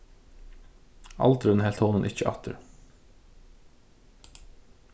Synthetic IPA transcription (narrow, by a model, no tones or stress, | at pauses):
ɑ̰lt̪ɾɛnhɛːlt̪hoːnənʔɪçəʔɑ̰t̪ʰə̰ɾ